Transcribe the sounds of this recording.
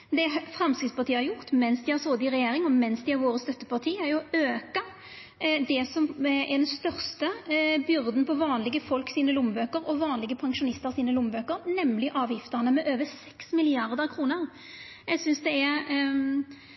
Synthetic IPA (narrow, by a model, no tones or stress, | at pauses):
d̪ɛfɾɛmskɾɪt̪spɑʁt̪iːəhɑɾjʊʁt̪mɛnsd̪ɪhæɾsoːd̪ɪɾɛjeːɾɪŋɔmɛnsd̪ɪæɾʋoːɾəst̪œt̪ːəpɑʁt̪ʰiːæɾjʊøːkɑ | d̪ɛsɔmɛd̪ɛnst̪œɾst̪əbjʏɾd̪n̩pɔʋɑːnlɪɡəfɔlksiːnəlʊmbøːkəɾɔʋɑːnlɪɡəpʰɑŋʂʊnɪst̪əʁsiːnəlʊmbøːkəɾnɛmlɪʔɑːʋjɪft̪ənəmɛʔøːʋəsɛksmɪlɪɑʁd̪əkʰɾuːnəʁ | jɛɡsʏnsd̪ɛɛɾ